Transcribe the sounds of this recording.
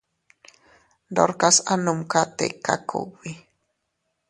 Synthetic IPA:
doɾkasanʊmkat̪ḛka̰kʰo̰wi

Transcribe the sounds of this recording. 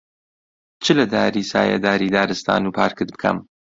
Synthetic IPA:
t͡ʃʰɨlɐd̪aːɾiːsa̰ːjɐ̰d̪aːɾiːd̪aːɾɨst̪ʰa̰ːnupʰaːɾkɨd̪̚bɨkʰɐ̰m

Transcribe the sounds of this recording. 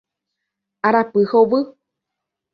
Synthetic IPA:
aɾapɨhoβɨ

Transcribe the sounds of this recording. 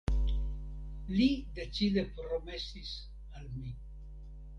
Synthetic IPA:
lide̞t͡side̞pɾo̞me̞sis | almi

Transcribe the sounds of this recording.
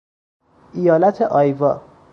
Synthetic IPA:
ʔijɒːlæt̪ʰeʔɒːjvɒː

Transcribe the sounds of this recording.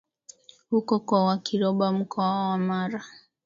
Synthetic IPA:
hukɔkwawakiɾɔɓam̩kʰɔawamaɾa

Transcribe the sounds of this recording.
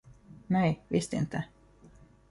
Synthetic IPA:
nɛjvɪst̪ɪ̰nt̪ʰə

